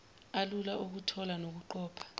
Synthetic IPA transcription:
alulaʔuk̬utʰɔlanok̬uǃɔːpʰḁ

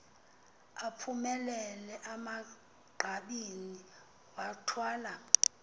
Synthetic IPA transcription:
apʰumɛlɛlɛʔama | ɡ͡ǃʱaɓini | watʰwaːla

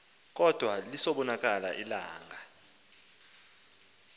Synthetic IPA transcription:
k̬ɔd̥ʱwalisɔɓɔnak̬ʼala̰ʔilaːŋɡʱa

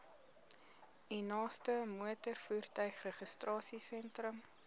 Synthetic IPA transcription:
inɑːstəmuətərfuːrtœɥχrəχəstrɑːsisɛntrəm

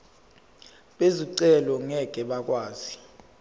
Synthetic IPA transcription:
ɓeziǀɛlɔŋɛɡ̥ʱɛɓak̬ʼwaːzi

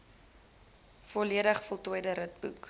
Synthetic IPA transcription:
fɔliədəχfɔlˠtuəjdəɾət̚bṵk

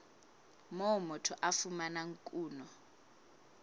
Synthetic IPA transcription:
mɔmɔtʰɔʔafumanaŋkʼuːnɔ

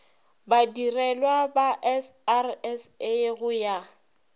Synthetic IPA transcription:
badirɛlwabaʔɛsarɛseɣʊja

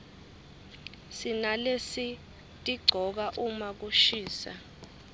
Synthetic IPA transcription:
sinalesi | tʼiɡ͡ǀʱɔk̬aʔumak̬uʃiːsa̰

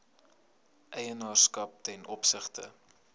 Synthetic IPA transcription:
ʔɛjənɑːrskɐp̚tɛnʔɔpsəχtə̰

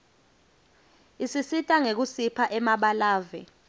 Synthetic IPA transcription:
isisitʼaŋek̬usipʰaʔɛmaɓalaːvɛ̰

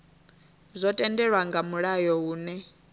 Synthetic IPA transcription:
zʷɔtʼɛndɛɺwaŋɡamuɺajɔɦuːnɛ

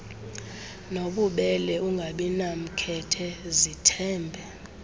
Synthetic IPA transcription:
noɓuɓɛlɛʔuŋɡʱaɓinam̩kʰɛtʰɛzitʰɛːmbʱɛ

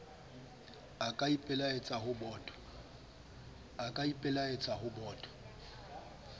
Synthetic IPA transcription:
akʼaipʼɛlaet͡sʼaɦʊbɔːtʼɔ̥ | akʼaipʼɪlaet͡sʼaɦʊbɔːtʼɔ̥

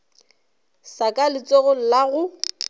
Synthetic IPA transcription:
sakʼalɪt͡sʼɔɣʊl̩laɣʊ

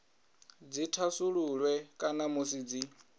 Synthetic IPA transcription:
d͡zitʰasuɺulwɛkʼanamosiːd͡zi

